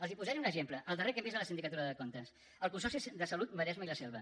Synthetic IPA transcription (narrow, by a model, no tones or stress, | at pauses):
əlzipuzɛɾunəʒempləʔəlˠd̪ərekɛmbizələsind̪ikət̪uɾəðəkont̪əs | əlˠkunsɔsisðəsəlut̪̚bəɾɛzməiləsɛlˠβə